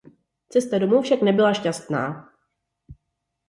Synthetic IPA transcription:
t͡sɛst̪adomuwfʃaknɛbɪlaʃcast̪na̰ː

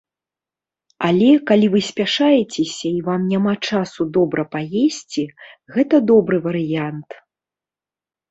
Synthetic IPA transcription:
alʲɛkalʲivɨsʲpʲaʂajɛt͡sʲɛsʲɐivamnʲamat͡ʂasud̪ɔbɾɐpajesʲt͡sʲiɣɛt̪ɐd̪ɔbɾɨvɐɾɨjant̪

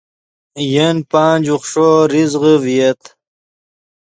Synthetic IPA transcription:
jenpaːnd͡ʑuχʂoɾizʁəvijet̪

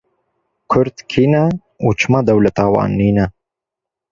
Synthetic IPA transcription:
kʰʊɾd̪kʰiːnɛ | uːt͡ʃʰɨmɑd̪ɐwlɐt̪ɑːwɑ̰ːnːiːnɐ

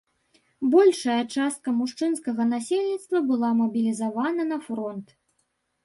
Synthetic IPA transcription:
bɔlʲʂɐjɐt͡ʂast̪̚kɐmuʂt͡ʂɨnskɐɣɐnasʲelʲnʲit̪st̪vɐbɨlˠamɐbʲilʲizavanɐnɐfɾɔnt̪

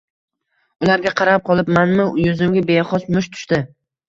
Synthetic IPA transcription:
ʊlaɾɡʲaqʰɑɾap̚qʰɒlˠɪpmanmɪʊjʊzɪmɡʲabeχɒsmʊʃt̪ʰʊ̥ʃt̪ɪ

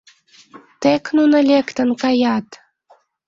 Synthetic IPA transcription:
t̪eknunɤ̆lʲekt̪ə̆nkɑjɑt̪

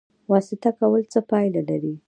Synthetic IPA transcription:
wɑsɪt̪akawəlt͡səpɑjlalaɾi

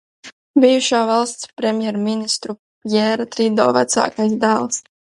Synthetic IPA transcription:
bijuʃaːvalˠst̪spɾʲɛmjɛɾminist̪ɾu | jɛːɾat̪ɾid̪ɔːvat̪sa̰ːkajsd̪aːlˠs

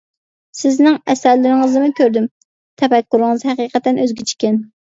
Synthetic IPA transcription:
sɪznɪŋɛsæɾlɪɾɪŋəzɨmɨkʲʰøɾd̪ym | t̪ʰɛpɛkʲːuɾɨŋɨzhɛqiːqət̪ːɛnʔøzɡʲɪt͡ʃʰi̥kʲɛn

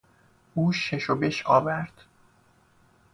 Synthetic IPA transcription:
ʔuːʃeʃobeʃɒːvæɾd̪̥

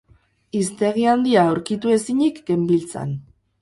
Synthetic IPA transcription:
ist̪e̞ɣiand̪iaawɾkit̪ue̞siɲikɡe̞mbilt͡sa̰n

